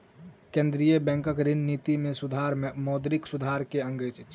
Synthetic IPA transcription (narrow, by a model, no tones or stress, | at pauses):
kẽːnd̪ɾijəbɛ̃ːŋkəkɾɪnniːt̪imẽsʊd̪ʱaːɾmɔːd̪ɾɪksʊd̪ʱaːɾkeə̃ŋɡət͡ʃ